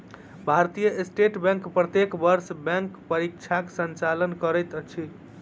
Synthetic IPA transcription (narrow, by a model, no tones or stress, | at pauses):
bʱaɾt̪ijəʔesʈeʈbɛ̃ŋkpɾət̪ekbəɾsbɛ̃ŋkpəɾikt͡ʃʰaksənt͡ʃalənkəɾɛjt̪t͡ʃʰi